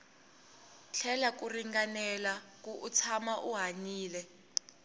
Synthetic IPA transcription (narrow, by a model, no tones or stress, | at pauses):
ɬʰɛlak̬uriŋɡanɛlak̬ʼuʔut͡sʰamaʔuɦaɲiːlɛ